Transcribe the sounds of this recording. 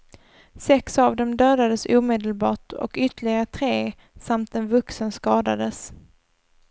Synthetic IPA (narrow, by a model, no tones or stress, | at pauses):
sɛksavd̪ɛmd̪øːd̪ad̪əsuːmeːd̪əlbɑːʈɔ̰kʏt̪əɭɪɡaɾət̪ʰɾeː | samt̪ɛnvɵksənskɑːd̪a̰d̪əs